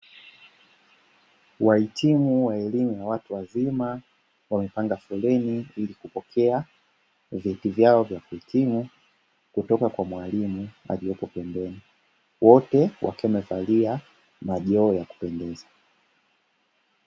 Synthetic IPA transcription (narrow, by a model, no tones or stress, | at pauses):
wahitʰimuwaɛlimujawatuwazima | wamɛpaŋɡafulɛniilikupɔkʰɛa | vitivjaɔvjakuitʰimu | kutɔkakwamwalimua̰lijɔpɔpɛmbɛni | wɔtɛwʔa̰kɛmɛvalia | maʄɔːjaku̥pɛndɛza